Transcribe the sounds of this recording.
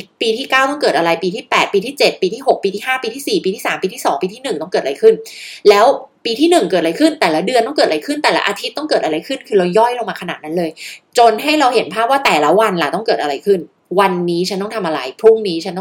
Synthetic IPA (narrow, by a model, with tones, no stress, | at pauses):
piː˧t̪ʰiː˥˩kaː˥˩wt̪ɔ˥˩ŋkɤː˨˩t̪̚ʔa˧ɾa˧jpiː˧t̪ʰiː˥˩pɛː˨˩t̪̚piː˧t̪ʰiː˥˩t͡ɕe˨˩t̪̚piː˧t̪ʰiː˥˩ho˨˩k̚piː˧t̪ʰiː˥˩haː˥˩piː˧t̪ʰiː˥˩siː˨˩piː˧t̪ʰiː˥˩saː˩˦mpiː˧iː˥˩sɔː˩˦ŋpiː˧iː˥˩nɯ˨˩ŋt̪ɔ˥˩kɤː˨˩t̪ʔaɾa˧jkʰɯ˥˩nlɛː˦˥wpiː˧iː˥˩nɯ˨˩ŋkɤː˨˩ɾa˧jkʰɯ˥˩nt̪ɛː˨˩la˦˥dɯ˧ənt̪ɔ˥˩ŋkɤː˨˩t̪̚aɾa˧jkʰɯ˥˩nt̪ɛː˨˩la̰˦ʔaː˧t̪ʰi˦˥t̪̚ːɔ˥˩ŋkɤː˨˩t̪̚ʔa˧ɾa˧jkʰɯ˥˩nkʰɯː˧ɾa˧wjɔ˥˩jlo˧ŋmaː˧kʰa˧na̰ː˨˩t̪̚na˦˥nlɤː˧jt͡ɕo˧nɦa˥˩jɾa˧whe˨˩˦npʰaː˥˩p̚waː˥˩t̪ɛː˨˩la˦˥wa˧nla˨˧˩t̪ɔ˥˩kɤː˨˩ʔa˧ɾa˧jkʰɯ˥˩n | wa˧nːiː˦˥t͡ɕʰa˦˥nt̪ɔ˥˩ŋt̪ʰa˧mʔa˧ɾa̰˧jpʰɾu˥˩ŋniː˦˥t͡ɕʰa˦˥nt̪ɔ˥